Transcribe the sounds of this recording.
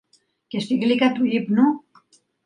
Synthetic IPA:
kest̪iklikat̪uʎipnu

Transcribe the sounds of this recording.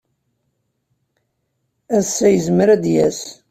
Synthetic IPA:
æsːæjəzmɾæd̪jæs

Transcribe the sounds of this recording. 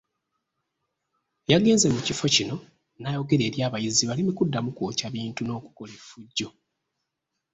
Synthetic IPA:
jaɡe̞ːnze̞mucifo̞cino̞ | naːjo̞ɡe̞ɾe̞ːɾjaːβajiziβalimikudːamukoːcaβiːntuno̞ːku̥ko̞lefuɟːo̞

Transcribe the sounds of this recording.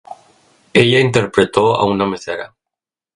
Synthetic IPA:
eʎaint̪eɾpɾet̪oa̰unameseɾa̰

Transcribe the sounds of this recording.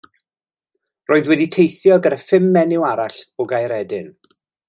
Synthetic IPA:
roːɨðwɛditʰejθjɔɡəɾəfɪmːɛnɪwaɾaɬɔɡajɾɛdɪn

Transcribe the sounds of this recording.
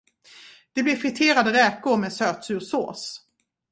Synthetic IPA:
d̪̥ɛblɪɾfɪt̪ʰeːɾad̪əɾɛːkʊɾmɛːsøːt̪sʉ̟ːɾso̰ːs

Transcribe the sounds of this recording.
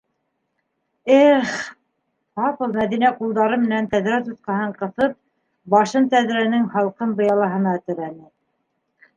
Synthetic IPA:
eχ | pɑpɤ̆lˠmæðinæqulˠd̪ɑɾɤmɘ̆nænt̪æðɾæt̪ut̪qɑɦɤɴqɤ̆θɤp̚ | bɑʃɤnt̪æðɾænɘŋhɑlˠqɤnbɤ̆jɑlˠɑɦɤ̆nɑt̪ɘ̆ɾænɘ

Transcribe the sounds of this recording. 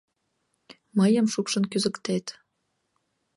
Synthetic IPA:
məjəmʃukʃə̆nkyzəkt̪et̪

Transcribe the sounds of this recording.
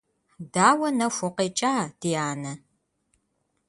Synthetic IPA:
daːwɐnɐfʷʊqeːt͡ʃʼaːd̥ijaːnɐ

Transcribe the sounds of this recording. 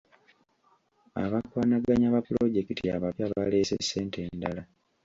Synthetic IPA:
a̰βakwaːnaɡaɲaβapulo̞ɟe̞kitiaβapjaβale̞ːse̞̰sːe̞ːntʰe̞ndala

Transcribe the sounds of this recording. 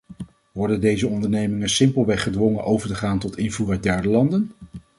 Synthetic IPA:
ʋɔɹdəndejzəɔndəɹnejmɪŋənsɪmpəlˠʋɛχədʋɔŋənʔowvəɹtəχaːntɔtɪnvuːrœɥt̚dɛɹdəlɑndən

